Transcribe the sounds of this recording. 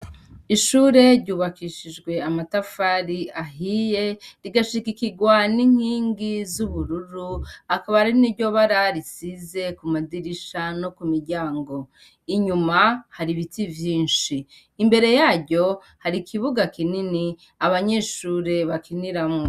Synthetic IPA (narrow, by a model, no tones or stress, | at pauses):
iʃuːɾe̞ɾɟuːβakiʃid͡ʒɡwe̞amatafaɾiaɦije̞ɾiɡaʃikikiɡwaniŋ̥hiːŋɡizuβuɾuɾuakaβahaɾiniɾɟo̞βaɾaɾisize̞kumadiɾiʃano̞kumiɾɟaːŋɡo̞ | iɲumahaɾiβitivjiːnʃiː | mbe̞ɾe̞jaːɟo̞ | haɾikʰiβuɡakinini | aβaɲe̞ːʃuːɾe̞βakiniɾamŋo